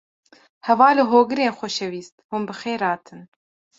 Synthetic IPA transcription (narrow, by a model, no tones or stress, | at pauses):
hɛvɑːlɨɦoːɡɨɾeːnxʷɔʃɛviːst̪̚hunbɨxeːɾɑːt̪ʰɨn